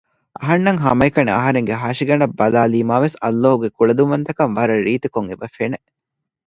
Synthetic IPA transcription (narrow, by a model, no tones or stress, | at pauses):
ɐɦɐnːɐŋɦɐmɐikɐneɐ̰ɦɐɾeŋɡeɦaːʃiɡɐɳɖɐbːɐlaːliːmaːʋesɐlːoːɦuɡekuɭɐd̪umɐnt̪ɐkɐmʋɐɾɐɾiːt̪ekoŋebɐfene